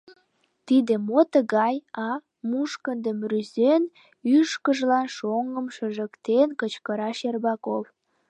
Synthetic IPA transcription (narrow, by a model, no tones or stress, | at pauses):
t̪id̪emot̪əɣɑjɑ | muʃkənd̪əmryzen | yʃkəʒlɑnʃoŋəmʃəʒəkt̪enkət͡ɕkəɾɑʃerbɑkof